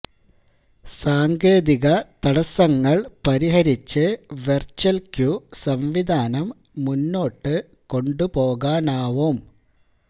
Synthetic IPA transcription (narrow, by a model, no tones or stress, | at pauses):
saːŋɡe̞ːðiɣɐt̪ɐɽɐsɐŋːɐɭpɐɾiɦɐɾit͡ɕːɨʋert͡ɕɐlkjusɐmʋid̪ʱaːnɐmː | unːo̞ːʈːɨ | ko̞ɳɖupo̞ːɣaːnaːʋum